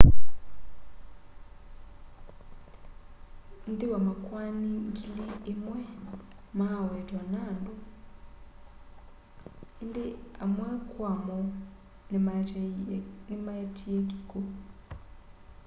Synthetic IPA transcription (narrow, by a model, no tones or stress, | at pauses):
ndiwamakwaniŋkiliːmwɛ | maawetwanandu | indiamwakwamɔ | n | nimaetʰijeki̥ku